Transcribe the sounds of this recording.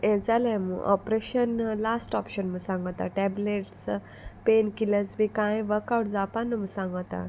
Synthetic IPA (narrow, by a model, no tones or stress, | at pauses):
ɛ̃d͡zalajmə̰ʔɔ̰pɾeɕənlasʈɔpɕənməsãŋɡət̪a̰ʈɛbleʈs | penkilət͡smikãjʋəɾkawʈd͡zapanːəməsãŋɡt̪a̰